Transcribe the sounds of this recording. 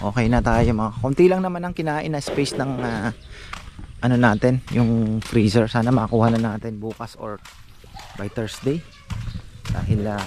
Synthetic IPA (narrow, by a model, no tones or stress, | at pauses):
ʔo̞ːkɛjnɐt̪aːjomɐŋaɐkont̪ilɐŋnɐmanɐŋkɪnaːʔɪnːɐspɛjsnɐŋa | ʔɐno̞naːt̪ɛnjʊŋfɾisɛɹsaːnɐmɐʔkuːhɐnɐnaːt̪ɪnbuːkɐsʔo̰ɹ | bɐjt̪ɛɹsd̪ej | d̪̥a̰ːhɪla